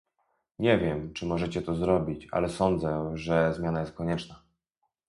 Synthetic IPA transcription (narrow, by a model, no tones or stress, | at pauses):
ɲɛvʲjɛmt͡ʂɘmɔʐɛt͡ɕɛt̪ɔzɾɔbʲit͡ɕa̰lɛsɔnd̪zɛʐɛzmʲjanajɛst̪̚kɔɲɛt͡ʂna